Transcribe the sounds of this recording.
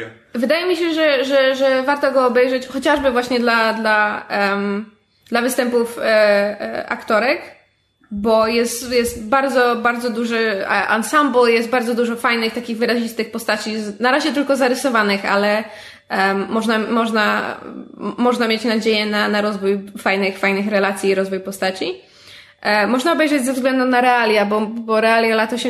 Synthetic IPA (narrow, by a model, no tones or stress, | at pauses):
vɘd̪ajɛmʲiɕɛʐɛʐɛʐɛvaɾt̪ɔɡɔːbɛjʐɛt͡ɕxɔt͡ɕaʐbɘvwaɕɲɛd̪lad̪laɛm | d̪̥lavɘst̪ɛmpuf | a̰kt̪ɔɾɛk | bɔjɛst̪jɛst̪baɾd̪zɔbaɾd̪zɔd̪uʐɘʔa̰nsambɔjɛst̪̚baɾd̪zɔd̪uʐɔfajnɘxt̪akʲiɣvɘɾaʑist̪ɘxpɔst̪at͡ɕinaɾaʑɛt̪ɘlkɔzaɾɘsɔvanɘxa̰lɛ | mɔʐnamɔʐna̰ | mɔʐnamʲjet͡ɕnad͡ʑejɛnanaɾɔzvujfajnɘxfajnɘxɾɛlat̪sʲjiːɾɔzvujpɔst̪at͡ɕi | mɔʐnaɔbɛjʐɛd͡ʑʲzɛvzɡlɛnd̪unaɾɛalʲjabɔbɔɾɛalʲjalat̪ɔɕɛ